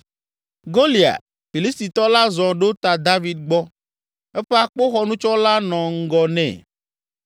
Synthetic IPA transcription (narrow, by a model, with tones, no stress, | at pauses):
ɡo˦li˨a̰˨ | fi˨li˦st̪i˨t̪ɔ˦la˦zɔ̃˨ɖo˦t̪a˨d̪a˦vi˦d̪̚ɡ͡bɔ˦ | ɛ˦ɸe˦a˦k͡po˦xɔ˦nũ˦t͡ʃɔ˦la˦nɔ̃˨ŋ̩˦ɡɔ˨nɛ̰̃˨